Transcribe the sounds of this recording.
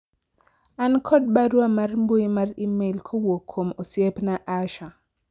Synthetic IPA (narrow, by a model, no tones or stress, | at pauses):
ankʰɔd̚baɾwamarmboimarimelkʰowokʰːomosjepnaʔaʃa